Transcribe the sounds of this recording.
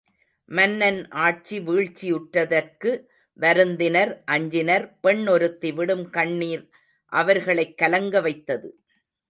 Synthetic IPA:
mɐnːɐnʔaːʈ̚t͡ʃiʋiːɻt͡ʃːijʊʈrɐðɐɾkɯ | ʋɐɾɯnd̪ɪnɐɾʔɐɲd͡ʒɪnɐɾpɛɳːɔɾɯt̪ːiʋɪɽɯmkɐɳːiːɾ | ʔɐʋɐɾɣɐɭɐɪkːɐlɐŋɡɐʋɐɪt̪ːɐðɯ

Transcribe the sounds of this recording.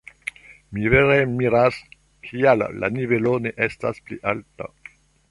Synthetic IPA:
miveɾemiɾas | kʰialːa̰nivelo̞ne̞ʔestaspliʔalta̰

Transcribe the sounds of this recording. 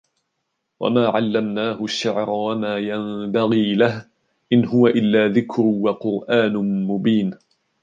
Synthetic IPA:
wa̰maːʕalːamnaːhʊʃːaʕɾˤɑwamaːjanbaɣiːlah | ʔɪnhʊwaʔɪlːaːðɪkɾʊwaqʊɾʔaːnʊmʊbiːn

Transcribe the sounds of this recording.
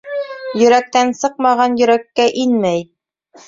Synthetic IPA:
jɵ̆ɾæk̚t̪ænsɤqmɑʁɑnjɵ̆ɾækːæʔinmæj

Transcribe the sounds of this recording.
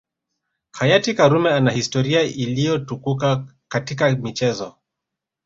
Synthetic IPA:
hajatikaɾumɛanahistɔɾiaʔilijɔtukukakatikamit͡ʃɛzɔ

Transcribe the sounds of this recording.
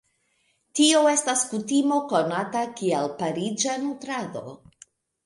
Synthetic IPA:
tio̞e̞staskutimo̞ko̞natakialpaɾid͡ʒanutɾado̞̰

